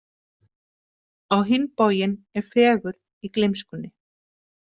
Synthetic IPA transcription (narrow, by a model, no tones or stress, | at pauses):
awɦɪnːpoːjɪnɛɾ̥fɛːɣʏɾ | iklejmskʏnːɪ